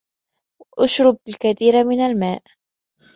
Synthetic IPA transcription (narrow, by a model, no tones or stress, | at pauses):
ʔʊʃɾʊb̚lkaθiːɾamɪnalmaːʔ